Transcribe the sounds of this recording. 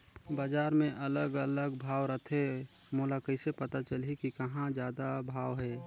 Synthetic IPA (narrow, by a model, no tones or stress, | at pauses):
baːd͡ʒaːɾmẽʔələɡələɡbʱaːwɾət̪ʰe | molakəɪsepət̪at͡ʃəlikikəɦãd͡ʒjaːd̪abʱaːwɦɛ